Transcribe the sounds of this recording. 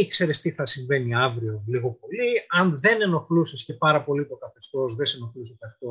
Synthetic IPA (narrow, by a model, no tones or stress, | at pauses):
ekse̞ɾest̪iθɐsiɱve̞niɐvɾio̞liɣo̞po̞liɐnðe̞ne̞no̞xlusisce̞pɐɾɐpo̞lit̪o̞kɐθest̪o̞sðe̞seno̞xlusikɐst̪os